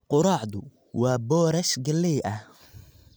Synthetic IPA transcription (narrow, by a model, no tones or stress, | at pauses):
qʊɾɑːʕd̪ʊ | wɑːbɔːɾɐʃɡɐlɛjʔɐh